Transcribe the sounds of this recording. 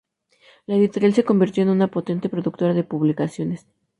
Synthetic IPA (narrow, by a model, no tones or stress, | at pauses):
laeðit̪o̞ɾjalseko̞mbiɾt̪joenunapo̞t̪e̞nt̪e̞pɾo̞ðuk̚t̪o̞ɾaðe̞puβlikasjo̞nes